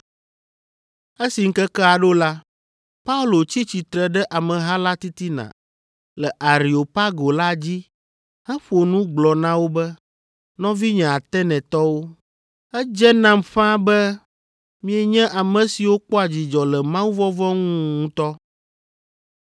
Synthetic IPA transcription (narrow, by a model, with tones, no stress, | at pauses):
e˦si˨ŋ̩˦kɛ˦kɛ˦a˨ɖo˦la˦ | pa˦u˦lo˨t͡ɕi˦t͡ɕi˨t̪ɾɛ˨ɖɛ˦ʔa˨mɛ̃˨ɦã˦la˦t̪i˦t̪i˦nã̰˨ | lɛ˨ʔa˨ɾi˨o˨pa˦ɡo˨la˦d͡ʑi˦ | hɛ̃˦ɸo˨nũ˦ɡ͡blɔ˨nã˦wo˦bɛ˦ | nɔ̃˦vi˦ɲɛ̃˨a˨t̪ɛ˦nɛ̃˨t̪ɔ˦wo˦ | ɛ˦d͡ʒɛ˦nã˨mɸã˦bɛ˦ | mĩ˦ɛ˦ɲɛ̃˦ʔa˨mɛ̃˨si˨wo˦k͡pɔ˦a˨d͡ʑi˨d͡ʒɔ˨lɛ˨mã˦wu˦vɔ˦vɔ˦ŋũ˦ŋũ˦t̪ɔ˦